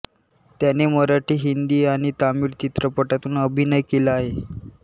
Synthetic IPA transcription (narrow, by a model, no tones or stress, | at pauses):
t̪janeməɾaʈʰiːɦind̪iːaɽ̃it̪amiːɾt͡ɕit̪ɾəpəʈat̪uːnəbʱinəjkelaːɦe